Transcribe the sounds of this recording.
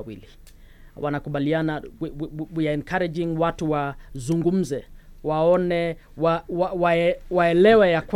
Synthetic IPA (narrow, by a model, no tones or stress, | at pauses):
wḭli | wʔanakuɓaliana | wiaɛnkaɾɛd͡ʒiŋwatuwazuŋɡum̩zɛwaɔnɛ | wawawawaɛlɛwɛjakw